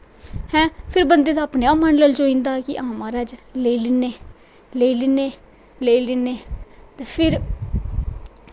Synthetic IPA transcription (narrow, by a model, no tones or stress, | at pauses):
hɛ̃ːpʰɪɾbənd̪eːd̪aːpneːaːmaːnləlt͡ʃoːĩːnd̪aːkɪʔãːmaːɾaːd͡ʒleːilɪneː | leːilɪneː | leːilɪneːt̪eːpʰɪɾ